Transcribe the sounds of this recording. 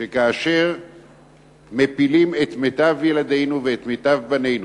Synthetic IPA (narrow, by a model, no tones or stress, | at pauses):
ʃekaːʃe̞ʁ | mepilime̞t̪met̪avjelad̪e̞jnuveːt̪met̪avbane̞jnu